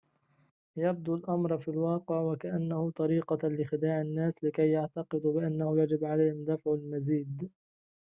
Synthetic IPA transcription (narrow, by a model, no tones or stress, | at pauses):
jab̚d̪ulʔamɾˤfilwɑːqɪʕwakaʔanːahʊt̪ˤɑɾiːqɑlɪxɪd̪aːʕɪnːaːslɪkajːaʕt̪ɑqɨd̪bɪʔanːahʊjad͡ʒɪbʕalajhɪmd̪afʕalmaziːd̪